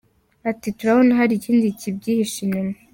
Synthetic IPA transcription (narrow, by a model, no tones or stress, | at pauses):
atituɾahonaɦaɾiciːndicib̚ɟiːhiʃinimo